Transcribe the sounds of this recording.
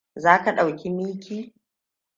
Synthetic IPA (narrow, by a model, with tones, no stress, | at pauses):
zaː˦ka˨ɗa˨wkʲi˦miː˦kʲiː˦